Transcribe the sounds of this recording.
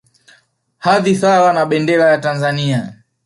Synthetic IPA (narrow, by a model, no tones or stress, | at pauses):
haðiθawanaɓɛndɛlajatanzania